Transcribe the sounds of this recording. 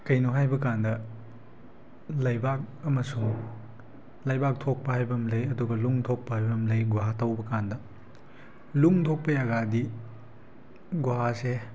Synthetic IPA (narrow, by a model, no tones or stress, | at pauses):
kɐjnoɦajbɐkandɐ | lɐjbak̚ɐmɐsuŋ | lɐjbak̚tʰok̚pɐhajbɐmlɐjɐduɡɐluŋtʰok̚pɐhajbɐmlɐjɡuɦatɐwbɐkandɐ | luŋtʰok̚pɐjaɡadi | ɡuɦase